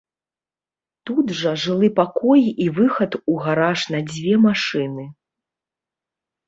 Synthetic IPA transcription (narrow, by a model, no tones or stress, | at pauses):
t̪ud̪ʐɐʐɨlˠɨpakɔjivɨxɐt̪uɣaɾaʂnɐd͡zʲvʲɛmaʂɨnɨ